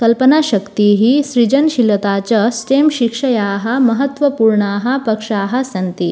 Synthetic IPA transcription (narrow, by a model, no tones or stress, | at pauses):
kɐlpənaɕɐkt̪iɦiɕɾid͡ʑənɕilət̪at͡ɕɐsʈemɕikʂɐjaːɦɐmɐɦət̪ʋəpuːɾɳaːɦɐpɐkʂaːɦɐsɐnt̪i